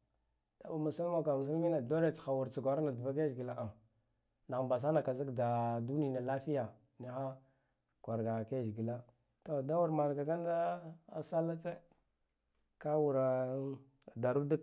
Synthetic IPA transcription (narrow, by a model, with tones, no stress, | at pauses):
d̥a˨ba˨ma˨sa˦lma˨ka˨mu˨s̬a˦lmi˦na˨do˦ɾe˨t͡sxa˨wu˨ɾt͡si˨ɡʷa˨ɾa˦na˨du˨ba˦k̬e˦ʒɡi˨la˦ʔa˨ | na˨mba˨s̬a˦na˨ka˨zi˦kda˨du˦ni˨na˨la˦fi˦ja˨ | ni˦xa˦ | kʷa˨ɾɡa˨ke˦˨ʒi˨ɡi˨la˦ | to˨da˦wu˦ɾma˨lɡa˨ka˦n˦da˦a˨sa˦lːa˦t͡se˦ | ka˦wu˨ɾ | da˨ɾu˦di˦k